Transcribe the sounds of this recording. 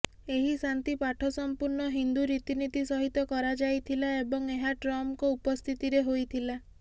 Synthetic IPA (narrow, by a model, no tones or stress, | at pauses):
eɦisant̪ipaʈʰɔsɔmpuɾɳɔɦind̪uɾit̪init̪isɔɦit̪ɔkɔɾad͡ʒajt̪ʰilaebɔŋeɦaʈɾɔmkɔupɔst̪ʰit̪iɾeɦojt̪ʰila